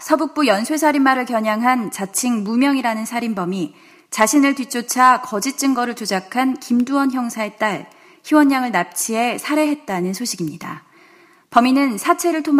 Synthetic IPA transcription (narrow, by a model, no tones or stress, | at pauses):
sʰʌbuk̚p͈ujʌnsʰwesʰaɾinmːaɾɯɭkjʌɲaŋɦant͡ɕat͡ɕʰiŋmumjʌŋiɾanɯnsʰaɾimbʌmi | t͡ɕaɕʰinɯɭtwɥit͡ɕ͈ʰot͡ɕʰakʌd͡ʑit̚t͡ɕ͈ɯŋɡʌɾɯɭt͡ɕod͡ʑakʰankimduwʌnçjʌŋsʰae̞t͈aɭ | çiwʌɲɲaŋɯɭnap̚t͡ɕʰie̞sʰaɾe̞ɦe̞t̚t͈anɯnsʰoɕʰiɡimɲida̰ | pʌminɯnsʰat͡ɕʰe̞ɾɯɭtʰom